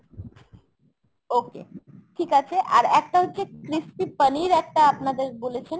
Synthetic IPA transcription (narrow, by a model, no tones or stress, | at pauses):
okḛʈʰikat͡ɕʰeʔa̰ɾɛk̚ʈaɦotːɕʰekɾispipəniɾɛk̚ʈaapnad̪eɾbolet͡ɕʰen